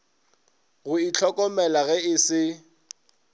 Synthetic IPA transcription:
ɣʊit͡ɬʰɔkʼɔmɛlaɣɛɪsɪ

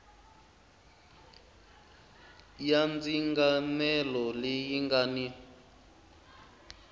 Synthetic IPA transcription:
jand͡ziŋɡamɛlɔlijiŋɡani

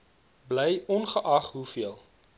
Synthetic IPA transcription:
bləjɔnχəʔɐχɦufiəlˠ

